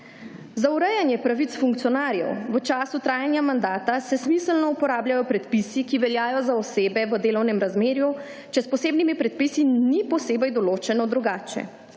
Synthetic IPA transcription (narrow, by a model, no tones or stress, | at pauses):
zauɾɛjanjɛpɾaʋit̪sfuŋkt̪sjɔnaːɾjɛ̰wʋət͡ʃaːsut̪ɾaːjanjamand̪aːt̪asɛsmisəlnɔupɔɾaːbljajɔpɾɛt̪pisikiʋɛljaːjɔzaɔseːbɛʋəd̪eːlɔwnɛmɾazmeːɾju | t͡ʃɛspɔseːbnimipɾɛt̪̚pisinipɔseːbɛjd̪ɔloːt͡ʃɛnɔd̪ɾuɡaːt͡ʃɛ̰